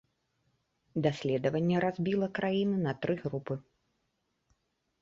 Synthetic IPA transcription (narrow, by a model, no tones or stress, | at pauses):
d̪asʲlʲɛd̪ɐvɐnʲːɛɾazʲbʲilˠɐkɾajinɨnɐt̪ɾɨɣɾupɨ